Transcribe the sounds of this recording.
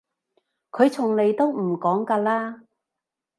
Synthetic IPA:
kʰɵ˨˧ɥt͡sʰʊ˨˩ŋne˨˧jt̪o˥wm̩˨˩kɔː˨˥ŋkaː˧laː˥

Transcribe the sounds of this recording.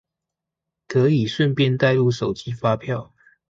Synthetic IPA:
kʰɤ˨˦i˨˩ʂwə˥˨npjɛ˥˧nt̪a˥˧ɪlu˥˨ʂo˨˩ʊt͡ɕi˦fa˦pʰjɑ˥˨ʊ

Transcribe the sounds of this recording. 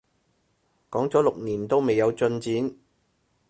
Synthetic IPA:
kɔː˨˥ŋt͡sɔː˨˥lʊ˨k̚niː˨˩nt̪o˥wme˨˩jːɐ˨˧wt͡sɵ˧nt͡siː˨˥n

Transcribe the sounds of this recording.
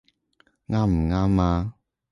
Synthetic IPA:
ŋa˦m̩˨ŋa˦ma˦

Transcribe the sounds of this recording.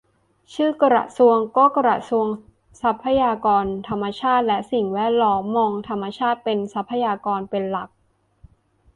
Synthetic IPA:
t͡ɕʰɯː˥˩ka˧ɾa̰˨˩su˧əŋkɔː˥˩kɾa̰˨˩su˧əŋ | sa˦˥pʰːa˧jaː˧kɔː˧nt̪ʰa˧mːa˧t͡ɕʰaː˥˩t̪̚lɛ˦˥ʔsi˨˩ŋwɛː˥˩t̪̚lɔː˦˥mːɔː˧ŋt̪ʰa˧mːa˧t͡ɕʰaː˥˩t̪̚pe˧nsa˦˥pʰːa˧jaː˧kɔː˧npe˧nla˨˩k̚

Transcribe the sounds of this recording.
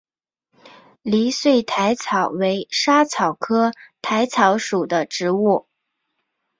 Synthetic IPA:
li˧˥swe˥˩ɪt̪ʰa˧˥ɪt͡sʰɑ˨˩ʊwe˧˥ɪʂa˥t͡sʰɑ˨˩ʊkʰɤ˥t̪ʰa˧˥ɪt͡sʰɑ˧˥ʊʂu˨˩d̪ə˦ʈ͡ʂɻ̩˧˥u˥˩

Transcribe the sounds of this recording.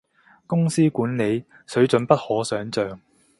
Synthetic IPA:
kʊ˥ŋsiː˥kuː˨˥nle˨˧j | sɵ˨˥ɥt͡sɵ˨˥npɐ˥t̚hɔː˨˥sœː˨˥ŋt͡sœː˨ŋ

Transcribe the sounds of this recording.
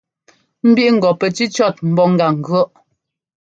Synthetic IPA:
m̩˦bi˦ʔŋ̩˨ɡɔ˨pɛ˨t͡ʃi˦t͡ʃɔ˦˨t̚m̩˨˦bɔ˦˨ŋ˨ɡa˨ŋ̩˨ɡɰɔ˦ʔ

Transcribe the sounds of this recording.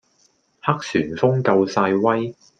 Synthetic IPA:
hɐ˥k̚syː˨˩nfʊ˥ŋkɐ˧wsaː˧jwɐ˥j

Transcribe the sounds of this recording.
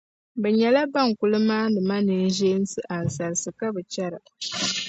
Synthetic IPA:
bɛ˨ɲɛ˨la˦ba˦˨ŋku˦lɨ˦maː˦nɨ˨ma˦nɨ˨n˦ʒeː˦n˦sɨ˨ʔa˨n̩˨sa˨ɾɨ˨sɨ˨ka˦bɨ˨t͡ʃɛ˦ɾɨ˨

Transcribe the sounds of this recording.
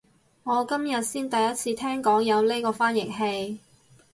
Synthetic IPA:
ŋɔː˨˧kɐ˥mjɐ˨t̚siː˥nt̪ɐ˨jɐ˥t̚t͡sʰiː˧t̪ʰɛː˥ŋkɔː˨˥ŋjɐ˨˧wle˥kɔː˧faː˥njɪ˨˩k̚he˧j

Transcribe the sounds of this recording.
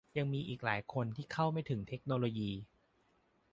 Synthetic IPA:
ja˧ŋmiː˧ʔiː˨˩k̚laː˩˦jkʰo˧nt̪ʰiː˥˩kʰa˥˩wma˥˩jt̪ʰɯ˩˦ŋt̪ʰe˦˥k̚noː˧loː˧jiː˧

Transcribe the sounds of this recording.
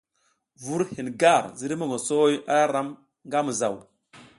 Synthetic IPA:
vu˦ɾhi˨n˨ɡa˦˨ɾzi˦ɾi˦mo˦˨ŋo˨so˦ja˦ɾa˦m | ŋɡa˦mu˨za˨w

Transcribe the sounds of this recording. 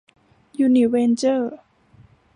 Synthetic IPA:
juː˧ni˨˩weː˧nt͡ɕɤː˥˩

